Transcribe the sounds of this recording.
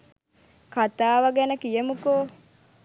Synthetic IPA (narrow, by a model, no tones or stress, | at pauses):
kat̪aːʋəɡɛnəkijəmukoː